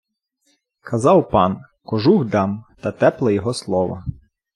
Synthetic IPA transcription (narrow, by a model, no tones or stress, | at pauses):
kʰɐzɑwpɑn | kɔʒuɣd̪ɑmt̪ɐt̪ɛplˠɐjɔɦɔslˠɔʋɐ̰